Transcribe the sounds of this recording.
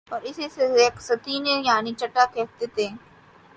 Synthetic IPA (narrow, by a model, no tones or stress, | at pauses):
ɔːɾɪseseeːksɐt̪iːnẽjaːnit͡ʃɐʈːakɛːt̪et̪ẽ